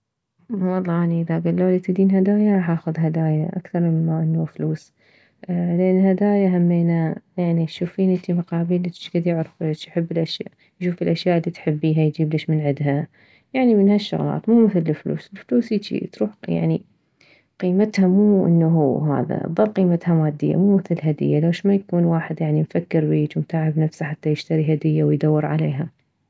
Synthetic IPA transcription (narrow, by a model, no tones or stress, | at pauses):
wɑlˤːɑːʔaniʔɪðaɡalːoːlit̪ɪd̪iːnɦad̪aːjaɾˤɑːħʔaːxʊðɦad̪aːjaʔakθɑɾˤmɪːaʔɪnːufluːs | lɪʔanːhad̪aːjaɦamːeːnajaʕniʃuːfiːnʔɪnt̪imaqɑːbiːlʔ̪ʃɡad̪jɪʕɾflt͡ʃjħɪbːɪlʔaʃja̰ːʔ | jʃuːfɪlʔaʃjaːʔɪlːiːt̪ħɪbːiːɦajd͡ʒiːblɪʃmɪnʕɪd̪ɦa | jaʕnimɪnhaʃːʊ̰ɣlɑ̰ːt̪muːmɪθlɪflṵːsɪlfluːsiːt͡ʃḭt̪ɾuːħja̰ʕni | qiːmat̪hamuːʔɪ̰nːaɦuɦa̰ːða̰ʔɑ̰t̪ðˤɑlːqiːmat̪hamaːd̪ːɪ̰jːa̰muːmɪθɪlɦad̪ɪ̰jːalawʃmajakuːnwaːħɪd̪jaʕnimfakːɪɾbiːt͡ʃwmt̪aːʕɪbnafsaħat̪ːajɪʃt̪aɾiɦad̪ɪjːawɪjd̪awːɪɾʕa̰leːɦa